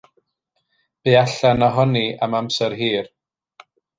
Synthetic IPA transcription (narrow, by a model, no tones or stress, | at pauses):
b̥iaɬanɔɦɔniamamsɛɾɦiːr